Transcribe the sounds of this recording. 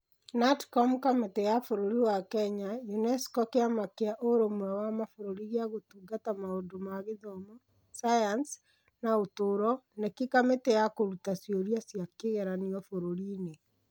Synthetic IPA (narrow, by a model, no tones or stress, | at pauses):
natkɔmkametɛjafoɾoɾiwakɛɲajunɛskɔkeamakeaʔoɾomwɛwamafoɾoɾiɣeaɣotuɡatamaondomaɣeðɔmɔ | sajans | naotoɾɔnekikametɛjakoɾutasjoɾiasjakeɣɛɾaniɔfoɾoɾine